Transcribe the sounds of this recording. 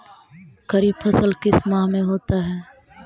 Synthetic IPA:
kəɾiːbpʰɐsəlkɪsmamẽɦoːt̪aɦɛː

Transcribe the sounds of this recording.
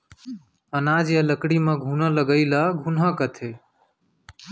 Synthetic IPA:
ənaːd͡ʒjaləkɽimẽɡʱuːnəːləɡəilaɡʱunɦə̃kət̪ʰeː

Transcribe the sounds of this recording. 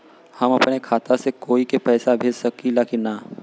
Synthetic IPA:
hɐmɐpnekʰaːt̪asekoːikepɛːsabʱeːd͡ʒsɐkilaːkina

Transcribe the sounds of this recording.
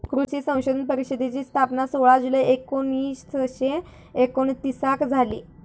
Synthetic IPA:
kɾuɕiːsə̃w̃ɕod̪ʱənpəɾiɕəd̪ʱet͡ɕiːst̪ʰapnasoɭad͡zuleekoniːstəɕe | ekoɳt̪isakd͡zʱalḭː

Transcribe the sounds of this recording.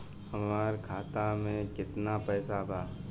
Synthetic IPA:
hɐmaːɾkʰaːt̪amẽkɪt̪napɛːsabʱaː

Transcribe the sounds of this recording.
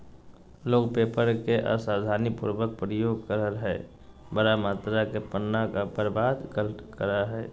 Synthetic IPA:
loːkpepəɾkeʔa̰saːd̪ʱaːnipṵɾbək̚pɾəjoːɡkəɾəɾɦɛɛ | bəɾamaːt̪ɾakepənːakabəɾbaːd̪kəkəɾaɦɛː

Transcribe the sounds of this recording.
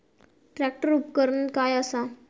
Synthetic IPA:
ʈɾɛk̚ʈəɾup̚kəɾuːnkajəsa

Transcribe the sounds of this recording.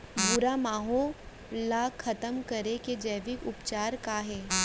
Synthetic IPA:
bʊɾamaːɦo | lːaːxʰɐt̪əmkɐɾeked͡ʒɐːʋɪkʊpt͡ʃaːɾkaːɦɛː

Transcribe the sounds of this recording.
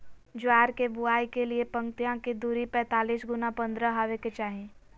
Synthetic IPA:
d͡ʒʊaːɾkebʊaːikeliepɐ̃ŋt̪ijãked̪uːɾipɛ̃ːt̪aːliːsɡʊnapɐ̃nd̪ɾəɦaʋeket͡ʃaːɦẽː

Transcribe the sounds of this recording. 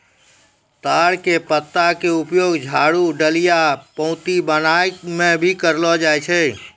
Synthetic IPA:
t̪aːɽkepət̪ːakeʊpjoːɡd͡ʒʱaːɽuɖəlijapə̃ʊ̃t̪ibənajmẽbʱikəɾlɔd͡ʒajt͡ʃʰɛ

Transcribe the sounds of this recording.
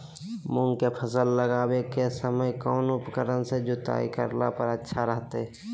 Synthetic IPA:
mʊ̃ŋɡkepʰəsəlːəɡaːwekesəməjkɔːnʊpkəɾənsed͡ʒʊt̪a̰ːḭkə̰ɾla̰pəɾətːʃʰaɾəɦt̪e

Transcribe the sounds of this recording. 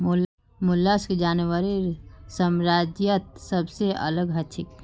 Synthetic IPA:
ml | mʊlːəsked͡ʒaːnwəɾisəmɾaːd͡ʒjət̪̚səbseɐ̰ləɡɦɐt͡ʃʰɪk

